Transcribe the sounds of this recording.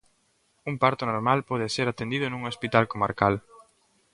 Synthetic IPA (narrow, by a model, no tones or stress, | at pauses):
umpaɾt̪ʊnoɾmalpɔðɪseɾat̪end̪iðʊnũŋospit̪alkoma̰ɾkal